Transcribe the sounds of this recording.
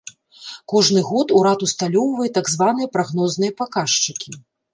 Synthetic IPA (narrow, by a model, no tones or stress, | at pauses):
kɔʐnɨɣɔt̪uɾat̪ust̪alʲɔwvɐjɛt̪aɡzvanɨjɐpɾaɣnɔznɨjɐpakaʂt͡ʂɨkʲi